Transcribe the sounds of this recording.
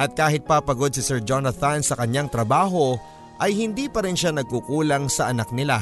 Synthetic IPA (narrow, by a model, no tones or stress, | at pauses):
ʔɐt̪̚kaːɦɪt̪̚papɐɡo̞d̪̚sɪsɛɹd͡ʒonɐθɐnsɐkɐɲaŋt̪ɾɐbaːɦo̞ | ʔɐjhɪnd̪iːpɐɾɪnʃanɐɡ̚kukuːlɐŋsɐʔɐnak̚nɪla